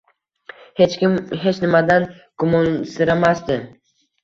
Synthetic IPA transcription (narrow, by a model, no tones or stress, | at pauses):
het͡ʃkʲɪmɦe̞t͡ʃnɪmad̪an | ɡ̥ʊmɒnsɪɾamast̪ɪ